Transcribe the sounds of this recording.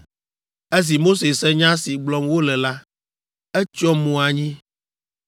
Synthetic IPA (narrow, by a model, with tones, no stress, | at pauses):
e˦s̬i˨mo˦se˨sɛ˦ɲã˦si˨ɡ͡blɔ˦mwo˦lɛ˨la˦ | ɛ˦t͡ʃɔ˦mõ˨a˨ɲĩ˦